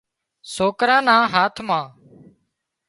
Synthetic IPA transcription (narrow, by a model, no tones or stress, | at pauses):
soːkɾãːnãːɦaːt̪ʰmãː